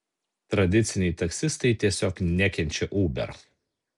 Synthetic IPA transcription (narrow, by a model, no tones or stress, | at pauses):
t̪ɾɐd̪ʲɪt̪sʲɪnʲɛɪt̪ɐksʲɪst̪ɐɪt̪ʲiɛsʲoːknʲɛkʲɛnʲt͡ʃʲɛʔuːbʲɛ̰ɾ